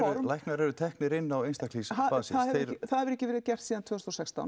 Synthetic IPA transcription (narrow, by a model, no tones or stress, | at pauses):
ɔɾmlajhknaɾɛɾʏt̪ʰɛhknɪɾɪnːawejnst̪akʰlisaaθaðhɛɾɛɾɪθaðhɛvʏɾɛcɪvɛːɾɪðcɛr̥t̪siːðant̪ʰʏːst̪ɔsɛkst̪a̰wn